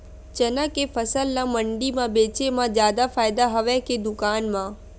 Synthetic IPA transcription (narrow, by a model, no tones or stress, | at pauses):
t͡ʃənəkefʰəsəlnãməɳɖimãbeːt͡ʃemãzjaːd̪afaːjd̪aɦəʋeked̪ʊkaːnmã